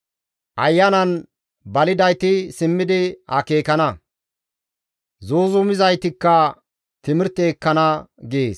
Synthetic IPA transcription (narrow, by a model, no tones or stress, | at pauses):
ʔɐjːɐnɐn | bɐlɪd̪ɐjt̪ɪsɪmːɪd̪ɪhɐke̞ːkɐnɐ | zoːzʊmɪzɐjt̪ɪkːɐ | t̪ɪmɪɾt̪eːkːɐnɐɡeːs